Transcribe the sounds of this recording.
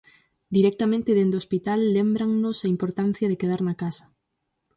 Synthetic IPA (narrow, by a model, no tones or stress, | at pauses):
d̪iɾɛk̚t̪amẽnt̪ɪðend̪ospit̪alːembɾaŋnʊsaimpoɾt̪an̟θjaðekeðaɾnakasɐ̥